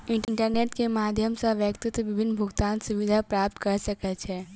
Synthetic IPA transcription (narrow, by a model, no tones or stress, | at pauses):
ɪ̃ɳʈɳʈəɾneːʈkemaːd̪ʱjəmsaʋjəkt̪ɪt̪ʋɪbʱɪnːbʱʊɡt̪aːnsʊʋɪd̪ʱapɾaːp̚t̪kɐɾsɐkɛt͡ʃʰɛː